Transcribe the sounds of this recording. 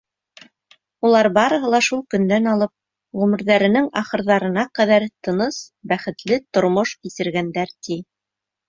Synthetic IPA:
ulˠɑɾbɑɾɤ̆ɦɤ̆lˠɑʃulˠkɵ̆nd̪ænɑlˠɤp̚ | ʁɵ̆mɘ̆ɾðæɾɘ̆nɘŋɑχɤ̆ɾðɑɾɤ̆nɑqæðæɾt̪ɤ̆nɤsbæχɘ̆t̪lɘt̪ŏɾmoʃkisɘ̆ɾɡænd̪æɾt̪i

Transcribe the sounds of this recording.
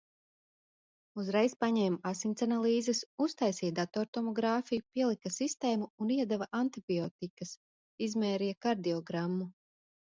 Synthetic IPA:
uzɾɛjspaɲɛjmasinʲt̪sanalˠiːzesust̪ajsijd̪at̪oɾt̪omɔɡɾaːfijupiɛlˠikasist̪eːmuːniɛd̪avaʔant̪ibiot̪ikɐs | izmɛːɾijakaɾd̪iɔɡɾamːu

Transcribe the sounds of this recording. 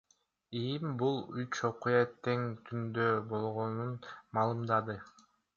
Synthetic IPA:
imbulˠyt͡ʃo̞qujɑt̪ʰe̞ŋt̪ʰynd̪øbo̞lˠʁonunmɑːlˠɯmd̪ɑd̪ɯ

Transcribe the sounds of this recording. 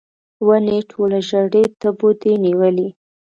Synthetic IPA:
wəneʈʰolaʒaɽet̪əbod̪eniwəli

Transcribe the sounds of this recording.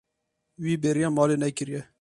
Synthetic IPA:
wiːbeːɾijɑːmɑːleːnɛkɨɾjɛ

